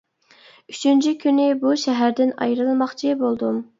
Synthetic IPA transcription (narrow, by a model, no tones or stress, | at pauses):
yt͡ʃʰynt͡ʃʰikʲʰynɪbuʃɛɦæɾd̪ɪnɑ̰jɾɨlˠmɑχt͡ʃʰibolˠd̪um